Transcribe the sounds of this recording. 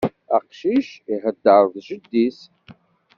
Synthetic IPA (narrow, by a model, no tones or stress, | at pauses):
aqʃiʃiħəd̪ːaɾˤðʒɨd̪ːis